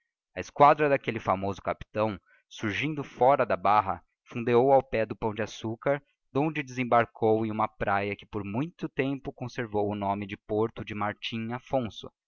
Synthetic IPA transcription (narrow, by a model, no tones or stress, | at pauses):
ɐɪskwad̪ɾɐd̪akelɪfamozʊkapi̥t̪ɐ̃w̃ | suɾʒĩnd̪ʊfɔɾɐd̪ɐbaɦɐ̰ | fũd̪eowawpɛd̪ʊpɐ̃w̃d͡ʒɪasukaɾ | d̪̥õnd͡ʒɪd̪ɪzẽbaɾkʰowẽj̃ũmɐpɾʔajɐkɪ̥poɾmũj̃t̪ʊt̪ẽmpʊkõseɾvowʊnõmɪd͡ʒɪpoɾt̪ʊd͡ʒɪmaɾt͡ʃĩafõsʊ̰